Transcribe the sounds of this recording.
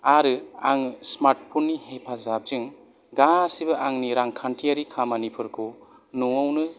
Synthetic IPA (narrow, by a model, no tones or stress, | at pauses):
aɾɯaŋsmaɾʈ̚pʰunːihepʰazab̚zɯŋ | ɡasibɐʔaŋniɾaŋkʰantʰijaɾikʰamanipʰɯɾkʰu | nuŋɯwnɯ